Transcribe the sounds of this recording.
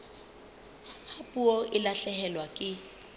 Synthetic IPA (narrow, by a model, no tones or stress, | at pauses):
hapʼuɔʔɪlaɬɛɦɛlwakʼɪ